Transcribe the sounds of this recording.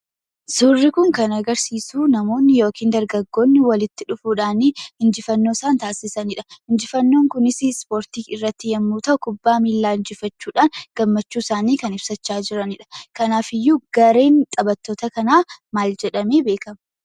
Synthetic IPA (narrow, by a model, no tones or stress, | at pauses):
suːrːɪkʊŋkɐnɐɡɐɾsiːsuːnɐmo̞ːnːɪjo̞ːkʰiːnd̪ɐɾɡɐɡːo̞ːnːɪwɐlɪt̪ːɪᶑʊfuːᶑaːnɪhɪnd͡ʒɪfɐnːo̞ːsaːnt̪aːsɪsɐnɪᶑɐ̥hɪnd͡ʒɪfɐnːoːŋkʊnɪsɪspo̞ːɾt̪iːɪrːɐt̪ːɪjɛmːuːt̪ɐʔʊkʊbːaːmiːlːaːɪnd͡ʒɪfɐt͡ʃːuːᶑaːnɡ̥ɐmːɐt͡ʃːuːɪsaːniːkɐnɪbsɐt͡ʃːaːd͡ʒɪɾɐnɪᶑɐ̥kɐnaːfɪjːuɡ̥ɐɾe̞ːnt̪ʼɐbɐt̪ːoːt̪ɐkɐnaːmaːld͡ʒɛᶑɐmeːbeːkɐmɐ